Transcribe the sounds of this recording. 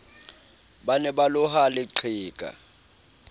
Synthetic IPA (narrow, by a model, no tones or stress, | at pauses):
ɓanɛɓalʊɦalɪǀʰiːkʼa̰